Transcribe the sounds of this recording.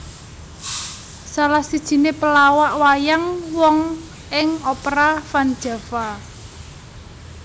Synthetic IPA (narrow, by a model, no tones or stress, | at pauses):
salahsid̥ʒ̥i̤nepəlawaʔwajaŋwɔŋ | ɪŋɔpɾafand̥ʒ̥a̤fa